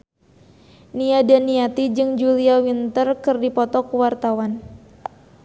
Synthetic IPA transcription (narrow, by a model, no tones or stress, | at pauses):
niadanːiat̪id͡ʒɨŋd͡ʒuliawint̪ərkɨrdipɔt̪ɔkuwart̪awan